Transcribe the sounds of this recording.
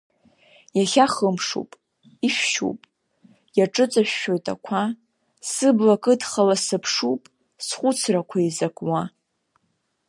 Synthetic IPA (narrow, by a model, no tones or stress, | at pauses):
jaχʲaχəmʂṵpʼ | iʃᶣʃṵpʼ | jaʈ͡ʂʼɨt͡sʼaʃᶣːo̞jtʼa̰kʷʰa | sɨblakʼɨdχalasɨpʰʂupʼ | sχʷʊt͡sʰrakʷʰaizakʼwa